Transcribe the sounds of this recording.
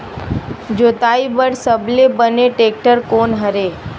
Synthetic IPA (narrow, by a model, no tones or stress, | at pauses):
d͡ʒoːt̪aːibəɽsəblebəneʈeːk̚ʈəɾkoːnɦəɾeː